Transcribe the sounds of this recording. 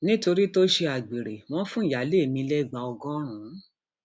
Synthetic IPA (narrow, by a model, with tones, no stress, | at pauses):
nĩ˦to˧ɾi˦to˦ʃe˧a˨ɡ͡bi˨ɾe˨w̃ɔ̃˦fũ˦i˨ja˨˦le˦˨mĩ˧lɛ˦˨ɡ͡ba˨ɔ˧ɡɔ̃˦ɾ̃ũ˨˦